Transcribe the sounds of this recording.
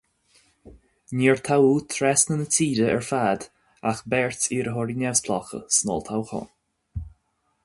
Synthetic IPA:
niːɹt̪ʰawuːt̪ʰɾɛsnənət͡sʰiːdəɛ̰ɹfaːd̪ | axbɛɹtiːɾəɦɔɾinʲɛvspʰlɔ̰xə̰snɔ̰ːlt̪ʰawxɔ̰n

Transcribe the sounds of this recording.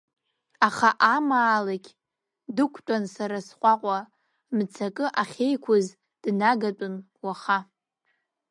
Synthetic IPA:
aχaʔamaːlakʲʼ | dɨkʷʰtʷʼansaɾasχʷʼaqʷʼa | mt͡sʰakʼɨʔaχʲejkʷʰʊz | d̥naɡatʼʊn | waχa

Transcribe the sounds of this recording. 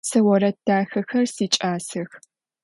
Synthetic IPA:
sɐwɔɾɐdʰaːxɐxɐrsiːt͡ʃʼaːsɐx

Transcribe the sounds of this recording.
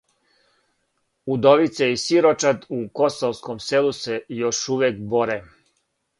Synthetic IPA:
ud̪oʋit̪seisiɾot͡ʃat̪uko̞soʋskomselusejoʃuʋjekbo̞ɾe

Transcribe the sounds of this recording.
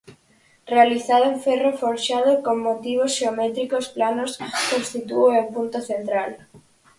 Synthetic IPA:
realiθaðoẽɱfɛrofoɾʃaðokoŋːot̪iβ̞osʃeomet̪ɾikosplanoskost̪it̪uoempunt̪oθent̪ɾal

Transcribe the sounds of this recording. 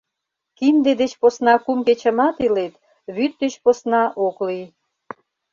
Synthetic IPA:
kind̪ed̪et͡ɕposnɑkumket͡ɕə̆mɑt̪ilet̪ | βyt̪̚ːet͡ɕposnɑʔoklij

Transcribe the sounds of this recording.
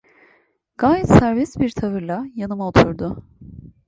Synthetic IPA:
ɡ̥aːjɛt̪sæɾvɛsbiɾt̪ʰavɯɾlˠajanɯmaot̪ʰuɾd̪ʊ

